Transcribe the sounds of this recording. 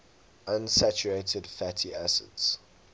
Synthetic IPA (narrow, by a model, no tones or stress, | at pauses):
ãnsæt͡ʃuɹeɪtʰədfætʰiʔæsə̰dz̥